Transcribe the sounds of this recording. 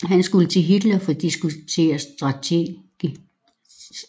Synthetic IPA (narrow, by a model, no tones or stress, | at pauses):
ɦænsɡ̥ulət͡sʰe̝ɦid̥lɒfɒd̥isɡ̥ut͡sʰe̝̰ːɐsd̥ʁɑ̈t͡sʰeɡ̥i